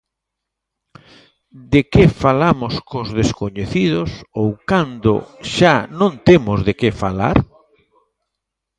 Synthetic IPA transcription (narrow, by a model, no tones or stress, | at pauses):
d̪ekefalamoskozðeskoɲeθiðosowkand̪o̰ʃanõnt̪emʊzðekefa̰la̰ɾ